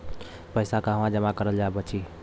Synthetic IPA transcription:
pəjsakəɦəmãd͡ʒəmakəɾəld͡ʒaebət͡ʃʰi

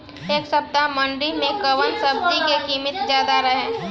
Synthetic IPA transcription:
eːksɐb̚d̪amɐ̃ɳɖimẽkɐʋənsɐb̚d̪ikekiːmɪt̪d͡ʒjaːd̪aɾɐɦẽː

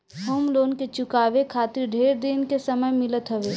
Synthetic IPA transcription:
ɦoːmloːnket͡ʃʊkaːʋekʰaːt̪ɪɾɖʱeːɾd̪inkesɐməjmɪlət̪ɦɐʋeː

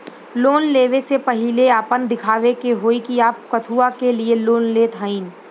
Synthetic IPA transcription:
loːnleːʋesepɐɦɪleaːpənd̪ɪkʰaːʋekeɦoːikiaːp̚kɐt̪ʰuːakelieloːnleːt̪ɦaːĩːn

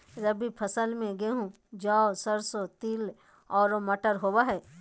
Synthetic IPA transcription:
ɾəbipʰɐsəlmẽɡeɦũ | d͡ʒaːosəɾsot̪il | ɔːɾomɐʈəɾɦoːwaɦɛː

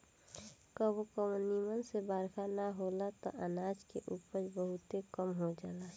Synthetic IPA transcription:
kəbokəmnimənsebaːɾkʰanaɦolat̪ɔ̰ʔənaːd͡ʒkḛʔuːpəɾbəɦʊt̪ekəmɦod͡ʒaːla

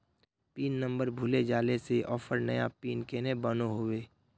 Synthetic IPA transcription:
piːnːə̃mbəɾbʱʊled͡ʒaːleseʔɔːfʰəɾnəjapiːnkeːnebənoɦoweː

